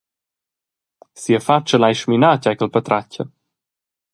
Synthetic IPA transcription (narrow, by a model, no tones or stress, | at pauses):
siəfat͡ʃəlajʃminacajkəlpat̪ɾacə̰